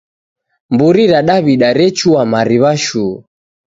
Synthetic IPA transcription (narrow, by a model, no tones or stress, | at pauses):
mbuɾiɾaɗaβiɗaɾɛt͡ʃuamaɾiβaʃu